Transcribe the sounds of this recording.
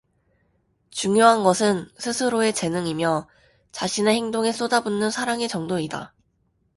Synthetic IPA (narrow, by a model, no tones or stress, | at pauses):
t͡ɕuŋjoɦanɡʌsʰɯnsʰɯsʰɯɾoe̞t͡ɕe̞nɯŋimjʌ | t͡ɕaɕʰine̞he̞ŋdoŋe̞s͈odabunːɯnsʰaɾaŋe̞t͡ɕʌŋdoida̰